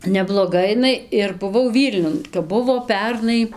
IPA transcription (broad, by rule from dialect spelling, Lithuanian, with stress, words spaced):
nʲɛblˠoːˈɡɐ ɪˈnɐɪ ɪr bʊˈʋɐʊ ˈʋʲiːlʲnʲʊn kɐp ˈbʊʋoː ˈpʲɛrnɐɪ